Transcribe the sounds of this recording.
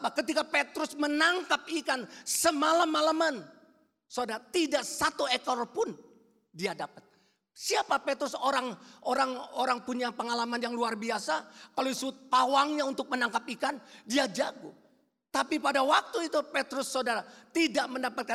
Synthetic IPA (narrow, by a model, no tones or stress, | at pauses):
pakət̪ikapet̪ɾʊsmənaŋkap̚ikansəmalamːalaman | sodaɾat̪idaʔsat̪uekɔrpʊn | diadapət̪̚ | siapapet̪ɾʊsoɾaŋʔoɾaŋoɾaŋpuɲapəŋalamanjaŋluarbiasakaloisuʊt̪̚pawaŋɲaunt̪ʊk̚mənaŋkapikandiad͡ʒaɡʊ̰ | t̪apipadawak̚t̪uit̪upet̪ɾʊsːodaɾat̪idaʔməndapat̪̚ka